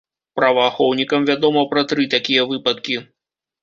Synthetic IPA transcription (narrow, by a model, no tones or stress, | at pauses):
pɾɐvaxɔwnʲikɐmvʲad̪ɔmɐpɾɐt̪ɾɨt̪akʲijɐvɨpɐt̪̚kʲi